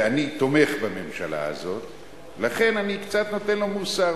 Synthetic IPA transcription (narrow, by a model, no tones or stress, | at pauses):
anit̪o̞me̞χbame̞mʃala̰a̰zo̞t̪ | laχe̞nanikt͡sat̪no̞t̪e̞nlo̞musa